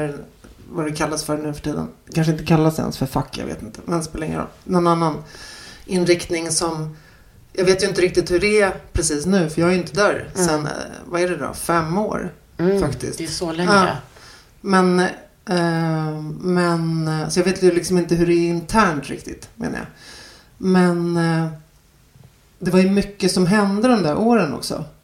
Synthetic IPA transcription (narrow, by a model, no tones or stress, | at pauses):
ɾvad̪ɛkʰalːasfœɾɳʉ̟ːfœ̥ʈʰiːd̪ə̰nkʰanʂ̬əɪnt̪əkʰalːasɛ̰nsfœɾfakʰːjɑ̰vḛːt̪ɪnt̪əmɛnspʰɔlɛŋːəɾɔ̰lːnɔnanːanʔɪnɾɪkt̪nɪŋsɔm | jɑːɡveːt̪jɵɪnt̪əɾɪk̚t̪ɪt̪hɵɖɛæpʰɾɛsiːsnʉ̟ːfœɾjɑːɡaɾjɪnt̪ʰəd̪œːɾsɛnvaæɖɛd̪ɔ̰fɛmːo̰ːɾ | fakt̪ɪ̰st̪sɔlɛɑ̰ː | mɛn | mɛnsɔjɑveːt̪lɪksɔmɪnt̪əɦɵɖɛːɪnt̪ʰæːɳʈ̪ɾɪ̰k̚t̪ɪ̰t̪mḛːnə̰ja̰ | mɛn | d̪ɛvajɵmʏkːəsɔmɦɛnd̪əd̪ɔmd̪æɾʔoːɾənɔ̰ksɔ̰